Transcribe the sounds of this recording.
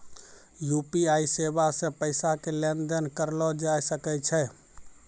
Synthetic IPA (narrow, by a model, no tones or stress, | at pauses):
jupiaisebasẽpəɪsakelend̪ənkəɾlɔd͡ʒajsəkɛt͡ʃʰɛ